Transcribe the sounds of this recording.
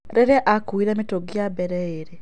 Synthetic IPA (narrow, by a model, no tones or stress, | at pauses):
ɾeɾeʔakuiɾemitoɡjabeɾɛeɾe